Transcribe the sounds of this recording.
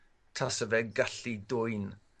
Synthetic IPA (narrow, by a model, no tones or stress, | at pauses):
tʰasəvɛɡaɬidʊɨn